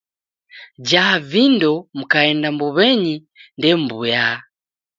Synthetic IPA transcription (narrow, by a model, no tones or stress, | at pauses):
d͡ʒavindɔmukaɛndambuβɛɲi | ndɛmbuja